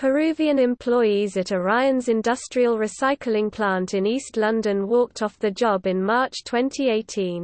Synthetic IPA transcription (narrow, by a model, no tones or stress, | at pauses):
pʰəɹʉːviə̃nɛ̃mpʰl̥ɔɪizətəɹaɪə̃nzɪ̃ndʌstɹ̥iəlˠɹɪsaɪkʰlɪ̃ŋpʰl̥ɑ̃ˑntʰɪ̃niˑstlʌ̃ndə̃nwɔˑk̚tʰɒfðəd͡ʒɒbɪ̃nmɑˑt͡ʃtʰw̥ɛ̃ntʰieɪtʰĩn